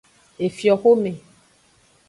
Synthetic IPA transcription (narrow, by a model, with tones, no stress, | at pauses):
e˨fjɔ˨xo˦mẽ˨